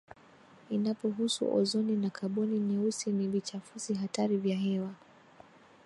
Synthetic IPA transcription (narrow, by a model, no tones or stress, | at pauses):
inapɔɦusṵʔɔ̰zɔninakʰaɓɔninɛusinivit͡ʃafuziɦataɾivjaɦɛwa